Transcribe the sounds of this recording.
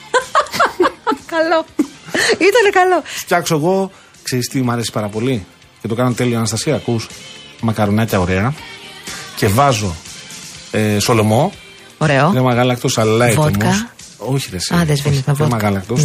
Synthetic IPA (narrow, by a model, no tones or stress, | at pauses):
kɐlo | it̪ɐnekɐlocɐksoeɣo̞ | kseɾist̪imɐɾe̞si̥paɾɐpo̞li | ce̞t̪o̞kɐnɐnt̪e̞lioɐnɐst̪ɐsiɐkusmɐkɐɾonɐcɐo̞ɾe̞ɐ | ce̞vɐzo̞ | eso̞lo̞mo̞ | oɾeoðemɐɣɐlɐkt̪osɐllɐevot̪mkɐ | oçiðesɐðezvenit̪ɐɐvomɐɣɐlɐk̚t̪os